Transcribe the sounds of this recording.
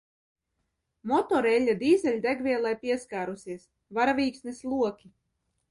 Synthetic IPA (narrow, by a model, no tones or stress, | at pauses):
mɔt̪ɔɾɛlʲːad̪iːzʲɛlʲd̪æɡvʲiɛlˠajpʲiɛskaːɾusʲiɛs | vaɾavʲiːksnislˠuɔkʲi